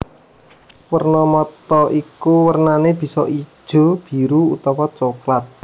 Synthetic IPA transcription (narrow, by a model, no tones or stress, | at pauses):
wərnɔmɔt̪ɔʔikuwərnaneb̥i̤sɔʔi̥ʒ̥o̤b̥i̤ɾuut̪ɔwɔt͡ʃoklat̪̚